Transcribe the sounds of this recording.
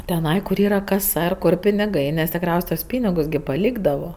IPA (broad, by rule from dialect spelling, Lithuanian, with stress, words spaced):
tʲɛˈnɐɪ kʊr ˈiːrɐ kɐˈsɐ ɪr ˈkʊr pʲɪnʲɪˈɡɐɪ nʲɛs tʲɪkˈrʲɛʊsʲ tuɔs ˈpʲiːnʲɪɡʊs ɡʲɪ pɐˈlʲiːɡdɐʋoː